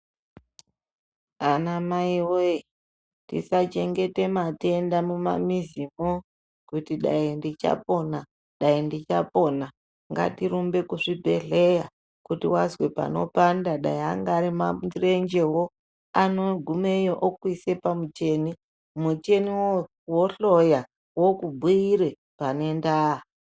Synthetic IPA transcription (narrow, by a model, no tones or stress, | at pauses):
anamaiwoe | tḭsat͡ʃe̞ŋɡe̞temate̞ndamuma̰mizimo | kutiɗa̰indit͡ʃa̰po̞na | ɗaindit͡ʃapo̞na | ŋɡa̰tiɾumbe̞kuʐibʱe̞ɮe̞ja | kutiwazwe̞pa̰no̞̰pandaɗa̰iaŋɡaɾimaire̞nd͡ʒe̞wo̞ | ano̞ɡʱumejoʔokuise̞pamut͡ʃe̞ni | mut͡ʃe̞niwo | woɬo̞ja | wo̞kubʱuiɾe | pane̞ndaːa